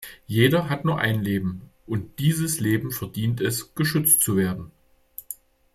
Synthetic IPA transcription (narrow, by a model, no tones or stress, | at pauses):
jeːɾɐɦatnuːɐʔa̰ɪnleːbm̩ʔʊnt̚d̥iːzəsleːbm̩fɛɐdiːntɛsɡ̥əʃʏt͡stt͡suveːɐdn̩